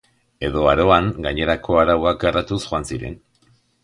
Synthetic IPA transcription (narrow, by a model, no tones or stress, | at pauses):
e̞ðo̞aɾo̞aŋɡaɲe̞ɾakʰo̞aɾawak̚ɡarat̪usxoansiɾe̞̰n